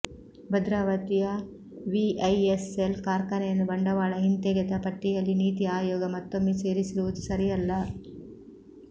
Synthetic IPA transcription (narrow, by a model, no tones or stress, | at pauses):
bɐd̪ɾaːʋɐt̪ijɐ | ʋiɐjeselkaːɾkɐnɐjɐnːubɐɳɖɐʋaːɭɐɦint̪eɡɛd̪ɐpɐʈːijɐlːiniːt̪iaːjɔːɡɐmɐt̪ːomːise̞ːɾisiɾuʋud̪usɐɾijɐlːɐ